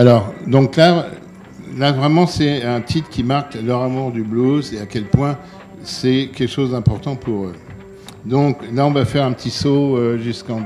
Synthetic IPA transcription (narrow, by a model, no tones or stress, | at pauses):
alɔːʁd̪ɔ̃kla | lavʁɛmɑ̃sɛɛ̃t̪ʰit̪kʲimaʁklœʁamuʁd̪ybluzeakʲɛlpwɛ̃ | sɛkʲɛlkʃozd̪ɛ̃pɔʁt̪ɑ̃pʰuʁø | d̪ɔ̃klaɔ̃vafɛʁɛ̃pət̪isoøʒyskɑ̃